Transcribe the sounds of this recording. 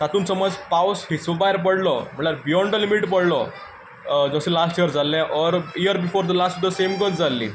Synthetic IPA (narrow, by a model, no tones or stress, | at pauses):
sat̪uːnsəməd͡zpawshisəbajɾp̬əɽlɔ̰m̤əɳʈlaɾbijɔɳɖlimiʈpəɽlɔ | d͡zəsẽlasʈijəɾd͡zalːɛ̃ʔɔɾijəɾbifoɾd̪əlasʈ̚d̪əsemɡət͡sd͡zalːḭː